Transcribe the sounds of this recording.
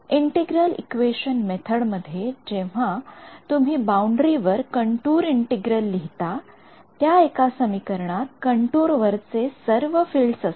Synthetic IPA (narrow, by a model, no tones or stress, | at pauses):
iɳʈiɡɾəlḭkʋeɕənmet̪ʰəɽməd̪ʱːjed͡ʑeʋ̤at̪um̤iːbauɳɖɾiʋəɾkəɳʈuːɾiɳʈiɡɾəlːiɦit̪a | t̪jaekasəmikəɾɳat̪̚kəɳʈuːɾʋəɾt͡sesəɾʋəfilɖsəs